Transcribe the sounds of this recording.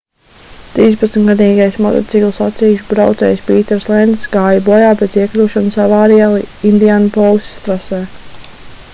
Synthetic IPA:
t̪ɾiːspat̪smʲt̪ɡad̪iːɡajsmɔt̪ɔ̰tsiɡlˠsat̪sʲiːjuʃbɾawt̪sɛ̰ːjsʲpiːt̪ɛɾslˠɛnd̪sɡaːjabɔɔjaːpɛziɛklʲuːʃɔnusavaːɾialˠiind̪iaːnupɔlˠsʲt̪ɾasɛː

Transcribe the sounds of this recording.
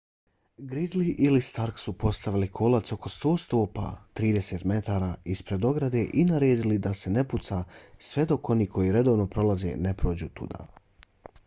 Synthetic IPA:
ɡɾid̪liʔilist̪aɾksupo̞st̪aʋilikʰo̞lˠat̪so̞ko̞st̪o̞ːst̪oːpa̰ːt̪ɾiːd̪e̞se̞t̪me̞t̪aːɾaispɾe̞d̪o̞ɡɾad̪e̞ʔinaɾeːd̪ilid̪ase̞ne̞put̪sasʋe̞d̪o̞ko̞niːko̞jiɾe̞d̪o̞ːʋno̞pɾo̞lˠaze̞̰ne̞pɾo̞ːd͡ʑuːt̪ṵd̪a̰

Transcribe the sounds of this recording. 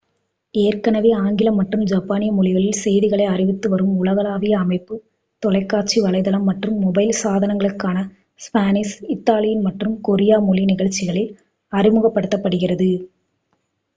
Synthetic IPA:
eːrkɐnɐʋiaːŋɡɪlɐmːɐʈrɯmd͡ʒɐpːaːnɪjɐmɔɭɪɣɐɭɪlsɛjðɪɣɐɭɐɪɐrɪʋɪt̪ːɯʋɐɾɯmʊlɐɣɐlaːʋɪjɐːmɐɪpːɯ | t̪ɔɭɐɪkːaːʈt͡ʃːiʋɐɭɐɪðɐlɐmːɐʈrɯmːɔbɐɪlsaːðɐnɐŋɡɐɭɯkːaːnɐ | spaːnɪsɪt̪ːaːlɪjɪnmɐʈrɯmkɔɾɪjaːmɔɭinɪɣɐɭt͡ʃːɪɣɐɭɪl | ɐrɪmɯɣɐpːɐɽɯt̪ːɐpːɐɽɯɣɪrɐðɯ

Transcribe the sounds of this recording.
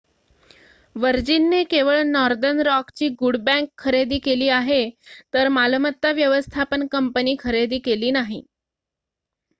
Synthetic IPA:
ʋəɾd͡ʑinːekeʋəɭnɔɾd̪ənɾɔkt͡ɕiːɡuɽbæ̃ŋkʰːəɾed̪iːkeliːaɦet̪əɾmaləmət̪ːaʋjəʋəst̪ʰapənkəmpəniːkʰəɾed̪iːkeliːnaɦḭ

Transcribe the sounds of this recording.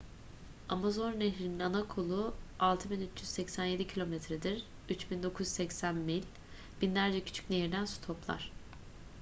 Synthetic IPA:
amazo̞nːeɦɾininanakʰolˠualˠt̪ʰɯbinyt͡ʃjyz̥sɛcsænje̞d̪icʰilʲo̞mɛt̪ʰɾɛd̪iɾ | yt͡ʃbind̪o̞kʰuz̥sɛcsænmilʲ | b̥inlʲæɾd͡ʒɛcʰy̥t͡ʃʰy̥c̚nejiɾd̪ænsu̥t̪ʰo̞plˠa̰ɾ̥

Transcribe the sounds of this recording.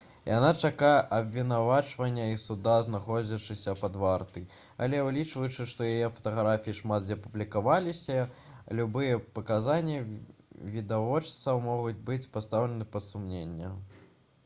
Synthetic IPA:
ja̰nat͡ʂakajɛʔɐbvʲin̪avat͡ʂvɐnʲːɐisud̪aznaxɔd͡zʲɐt͡ʂɨsʲɐpɐd̪vart̪ɨ | ɐ̰lʲɛwlʲit͡ʂvɐjut͡ʂɨʂt̪ɔjajɛfɐ̥t̪ɐɣɾafʲijiʂmat̪zʲɐpublʲikavalʲisʲɐlʲubɨjɐpɐkazanʲːɐvʲid̪avɔt͡ʂt̪sɐwmɔɣud͡zʲbɨt͡sʲpast̪awlʲɛnɨpɐt̪sumnʲenʲːɐ

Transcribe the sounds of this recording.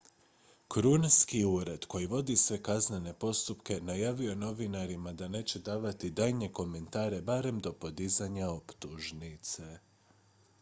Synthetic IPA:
kɾunaskiuːɾe̞d̪̥ko̞jiʋo̞d̪isʋe̞kazne̞ne̞po̞st̪upke̞najaːʋio̞no̞ʋinaɾimad̪ane̞ːt͡ɕe̞d̪aːʋat̪id̪ajɲe̞ko̞me̞nt̪aːɾe̞baːɾe̞md̪o̞po̞d̪izaɲao̞pt̪uʒnit̪se

